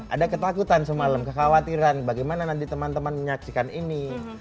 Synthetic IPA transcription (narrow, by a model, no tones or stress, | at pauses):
ʔa̰dakət̪akut̪ansəmaləmkəxawat̪iɾanbaɡajmananant̪it̪əmant̪əmanməɲaksikanini